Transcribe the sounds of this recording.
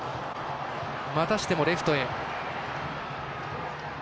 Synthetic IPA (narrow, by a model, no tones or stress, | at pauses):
mat̪aɕi̥t̪e̞mo̞ɾe̞ɸɯ̟t̪o̞e